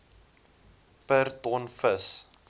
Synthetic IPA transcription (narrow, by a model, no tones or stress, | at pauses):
pərtɔnfəs